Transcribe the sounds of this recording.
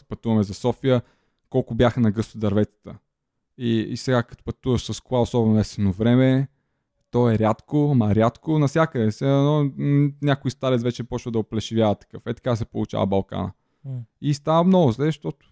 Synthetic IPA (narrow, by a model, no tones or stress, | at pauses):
pɐt̪uvɐmɛzɐsɔfijə | kɔlˠkʊbjaxənɐɡɤst̪ʊd̪ɐɾvɛt̪sə̥t̪ə | isɛɡakɐ̥t̪o̥pɐt̪uvəʃsɐskˠaʊsɔbɛnʊɛsɛnovɾɛmɛ | t̪ɔɛɾʲat̪kʊɐmɐɾʲjat̪konɐsʲjakəd̪ɛsɛnɔnʲakʊist̪aɾɛt̪vɛt͡ʃɛpɔt͡ʃvəd̪ɐoplɛʃɪvʲjavɐt̪ːɐ̥kɤfɛt̪ɐ̥kasɛpolˠut͡ʃa̰vɐ̰bɐlˠka̰nə̰ | ist̪avəmnɔɡʊzlɛʃt̪ɔt̪ʊ̥